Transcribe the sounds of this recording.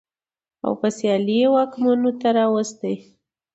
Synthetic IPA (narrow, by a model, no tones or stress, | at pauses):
a̰wpəsjɑliwɑkmanot̪aɾɑwəst̪əj